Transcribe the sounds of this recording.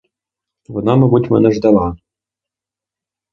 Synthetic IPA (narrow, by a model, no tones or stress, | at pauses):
vɤ̆nɑmɤ̆butʲmɘ̆nɘ̆ʐd̪ɑlˠɑ